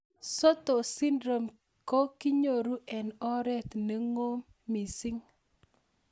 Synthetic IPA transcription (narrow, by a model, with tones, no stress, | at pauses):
sɔ˦t̪o˨si˦ndɾo˨m | ko˦ki˦ɲo˨ɾu˦ʔɛ˨nɔ˦ɾɛ˦t̪ne˨ŋo˦mː | i˨si˦ŋ